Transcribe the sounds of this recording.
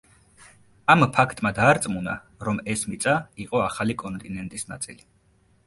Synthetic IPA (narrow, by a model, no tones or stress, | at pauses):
ampʰakʰt̪ʼmad̪aːɾt̪sʼmuna̰ | ɾɔmɛsmit̪sʼaiqʼɔaχalikʼɔnt̪ʼinɛnt̪ʼisna̰t̪sʼḭli